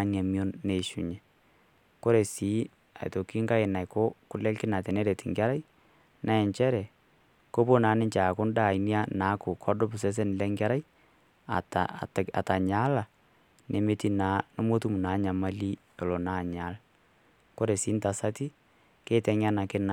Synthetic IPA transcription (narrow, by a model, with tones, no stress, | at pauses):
a˦na˨mjo˦nːe˨ʃṵ˨ɲɛ˨ | ko˦ɾe˨si˨˦ | a̰˨jto˨ki˦ŋka˦ɪ˨na˨jko˦kʊ˦lɛ˦lkɪ˦na˨tɛ˨nɛ˦ɾɛ˨tɪ˨ŋɡa˦ɾa˦j | nʔa˦ɛ˨ɲt͡ʃɛ˦ɾɛ˨ | ko˦bo˦naː˨˦nɪ˦ɲt͡ʃa˨kʊ˦nda˦˨i˨ni˦a˦na˨˦ko˨kʰɔ˦dʊ˦pʊ˨s̬ɛ˦s̬ɛ˦n˨lɛ˦ŋɡa˦ɾa˦j | a̰˨ta̰˨ta˨ɲa˦la˨ | ne˨me˦ti˦na˨˦no˦mo˦tu˦mu˨naː˨˦ɲa˨ma˦li˦ | e˨lo˨na˦˨ɲa˨˦l | ko˦ɾe˨siː˦nta˨sa˦ti˦ | keː˦tɛ˨ɲa˦na˨kɪ˦na˨